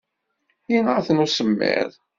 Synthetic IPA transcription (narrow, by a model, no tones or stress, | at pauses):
inəɾθənusəmːɪ̰ðˤ